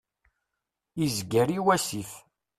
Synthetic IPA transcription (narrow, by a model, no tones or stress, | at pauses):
izɡəɾiwæsif